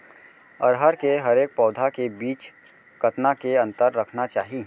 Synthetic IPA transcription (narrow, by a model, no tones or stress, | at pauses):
ɐɾɦəɾkeɦɐɾeːk̚pɔːd̪ʱakebiːt͡ʃ | kɐt̪nakeɐ̃nt̪əɾːɐkʰnat͡ʃaːɦi